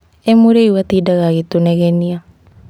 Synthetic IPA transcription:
emuɾeiwat̪idaɣaɣet̪unɛɣɛnia

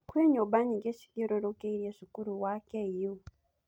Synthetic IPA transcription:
kweɲobaɲiɡet͡ʃi̥ɡiɾoɾokeiɾjeʐikuɾuwakeijo

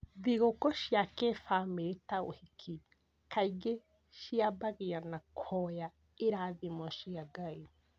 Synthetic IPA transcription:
ðiɣokɔʃjakefaːmeetao̰hikʰi | kʰaiɡe | ʃiabaɣianakʰɔja | eɾaðimɔʃiaɡai

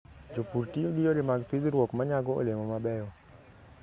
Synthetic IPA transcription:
d͡ʒopuɾtijoɡɪjoɾɪmaɡpid̪ɾwɔkmaɲaɡɔo̰lemɔmabɛjɔ

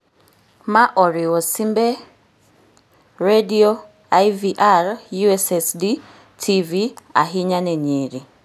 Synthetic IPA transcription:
maʔɔɾɪwɔsimbe | redio | ajviʔarjuɛsɛsdi | tʰivia̰ɦiɲanɛɲeɾi

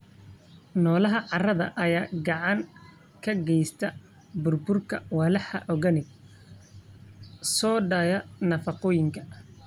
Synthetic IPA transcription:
nɔːlɐɦɐʕɑrɐðɐ̰ʔɐjaːɡɑʕɑŋ | kʰɐɡɛjst̪ʰɐ | bʊrbʊrkʰɐwɑlɐħɐ̰ʔɔɣɐnɪɡ̚ | sɔːɖɐjɐnɐfɑqɔːjɪŋkʰɐ̥

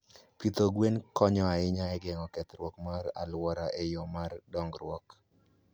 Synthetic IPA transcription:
pit̪oɡwenkɔɲɔaɪɲaɛɡɛŋɔkɛt̪ɾwɔkmaɾa̰lwɔɾaʔejɔmardɔŋɡɾwɔk

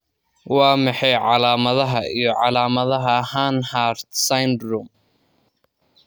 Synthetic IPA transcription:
wɑːmɑħɑjʕɑlaːmɐðɐɦɐʔijɞʕɑlaːmɐðɐɦɐhaːnhaːɾd̪sajnd̪ruːm

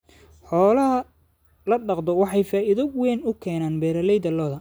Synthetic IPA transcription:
ħɔːlɐɦɐ | lɐɖɑqd̪ɔwɑħɑjfaːʔɪðɐwɛːnʊkʰɛːnaːnbɛːɾɐlɛjd̪ɐlɔːðɐ

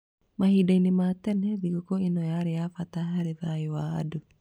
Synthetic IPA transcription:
mahiːdainematɛnɛðiɣokoinɔjaɾejafataɦaɾeðaewa̰ːdo

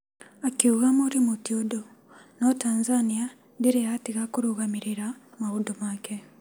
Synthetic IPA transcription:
akiuɣamoɾimotiodo | notaːnzania | deɾejatiɣakoɾoɣamiɾeɾamaudomaːke

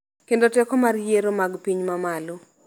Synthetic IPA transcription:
kendotɛkɔmarjeɾomaɡpiɲmamalo

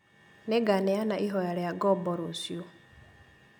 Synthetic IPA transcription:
neɡanɛjanaʔiɦɔjaljaɡɔbɔɾusju

